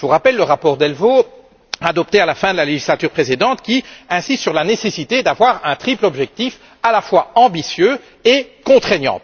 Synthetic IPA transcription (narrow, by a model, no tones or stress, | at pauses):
vuʁapɛlːəʁapɔʁd̪ɛlvo | ad̪ɔp̚t̪ealafɛ̃d̪əlaleʒislat̪yʁpχesed̪ɑ̃t̪kʲiɛ̃sist̪syʁlanesesit̪ed̪avwaʁɛ̃t̪χiplɔbʒɛk̚t̪if | alafwaɑ̃bisjø | ekɔ̃t̪χeɲjɑ̰̃